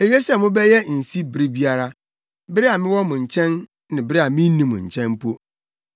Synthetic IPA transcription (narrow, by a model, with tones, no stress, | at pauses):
e˨je˦sɛ˦˨mʊ̃˦bɛ˦jɛ˦n̩˨si˦bɪ˨ɾi˦bi˦a˦ɾa˦ | bɪ˦ɾɪ˦a˨mɪ̃˦wɔ˦mʊ̃˨ɲ̩˨t͡ɕʰɛ̃˦n | nɪ̃˨bɪ˦ɾɪ˦a˨mɪ̃˦nĩ˦mʊ̰̃˨ɲ̩̰˨t͡ɕʰɛ̃˦mpʰo˦